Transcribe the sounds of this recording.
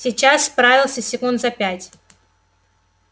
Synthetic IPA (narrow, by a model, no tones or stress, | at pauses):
sʲɪt͡ɕasspɾavʲɪlˠsʲəsʲɪkund̪zɐpʲætʲ